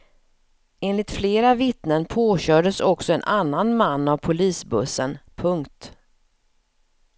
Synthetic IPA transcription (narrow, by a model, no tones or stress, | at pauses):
eːnlɪt̪fleːɾavɪt̪nənpʰoːɕœːɖəsɔksɔɛnʔanːanmanːavpʰʊliːsbɵsːənpʰɵŋkt̪